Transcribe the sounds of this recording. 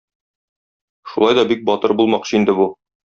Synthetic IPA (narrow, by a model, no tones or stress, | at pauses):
ʃulˠɑjd̪ɒbik̚bɒt̪ɤɾbulˠmɑqɕɤind̪ɘbu